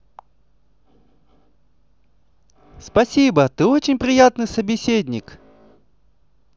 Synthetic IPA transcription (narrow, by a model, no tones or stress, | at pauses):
spɐsʲibət̪ɨo̞t͡ɕɪnʲpɾʲɪjat̪nɨjsəbʲɪsʲedʲnʲɪk